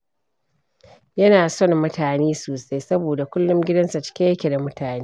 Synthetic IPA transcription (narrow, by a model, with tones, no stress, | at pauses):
jɐ˦naː˨sɔ˦˨ŋːʊ˦taː˨neː˦soː˨sa˦jsɐ˦boː˨da˨kʷʊ˦lːʊ˦mɡʲɪ˦dɐ˦nsa˨t͡ʃɪ̥˦kʲe˦ɐ˦kʲe˨da˨mʊ˦tʰaː˨neː˦